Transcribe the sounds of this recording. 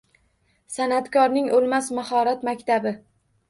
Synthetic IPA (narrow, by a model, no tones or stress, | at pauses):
sanat̪kʰɒɾnɪŋolˠmasmahɒɾat̪makʲt̪ʰabɪ